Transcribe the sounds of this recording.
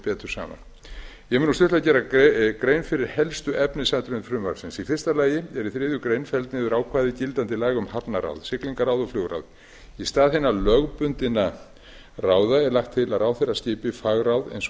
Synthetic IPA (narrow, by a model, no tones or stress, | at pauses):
pɛːt̪ʏ̥sa̰ːma̰n | jɛmɛnust̪ʏht̪acɛːɾakɾejnfɪɾɪɾ̥hɛlst̪ʏʔɛpnɪsajt̪ɾʏnfɾʏmva̰ɾ̥sɪnsifɪrst̪alaːjɪɛɾiθɾɪːðjʏkɾejnfɛlt̪nɪðʏɾaːwkʰvaːðɪcɪlt̪ant̪ɪlaːɣʏmhapnaɾa̰wðsɪkliŋkaɾaːwðɔflʏːɣɾa̰wð | ist̪aːðhejnalœɣpʏnt̪ɪna | raːwðaɛɾlajxt̪ʰːɪlaraːwθejɾascɪːpɪfaːɣɾawðɛ̰jns